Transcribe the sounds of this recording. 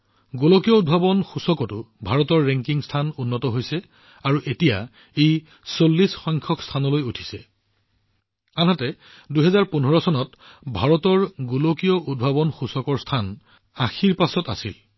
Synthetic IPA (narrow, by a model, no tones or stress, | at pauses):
ɡolokijɔud̚bʱabɔnxusɔkɔtʊ | bʱaɹɔtɔɹːɛŋkiŋstʰanunːɔtɔɦojsɛ | aɹuʔetija | ej | solːisxɔjŋkʰɔkstʰanɔlojutʰi̥sɛ | anɦatɛ | duɦɛzaɹpunɦɔɹɔsɔnɔt | bʱaɹɔtɔɹɡolokijɔʔud̚bʱabɔnxusɔkɔɹstʰan | axiɹpasɔta̰sḭl